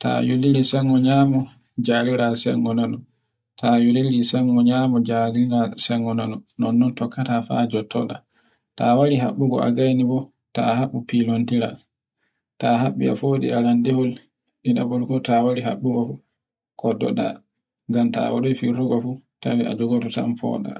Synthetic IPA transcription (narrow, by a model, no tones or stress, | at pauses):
ta̰julilisɛŋɡɔɲaːmɔ | d͡ʒaliɾasɛ̰ŋɡɔnanu | tʰajulilisɛŋɡɔɲaːmɔd͡ʒaliɾasɛŋɡɔnanunɔnːɔntɔkːatafa̰ːd͡ʒɔtʰːɔ̰ɗa | tawaɾiɦa̰ɓːuɡɔ̰ʔa̰ɡajnibɔ | tahaɓːupilontiɾa̰ | tahaɓːia̰foːɗḭalandɛhɔl | ɗiɗabɔlɡɔtawaɾiɦa̰ɓːuɡɔfu | kʰɔdɔ̰ɗa̰ | ŋɡamta̰waɗɔjfiɾɔɡɔfutawia̰d͡ʒuɡɔtusa̰mpɔ̰ɗa̰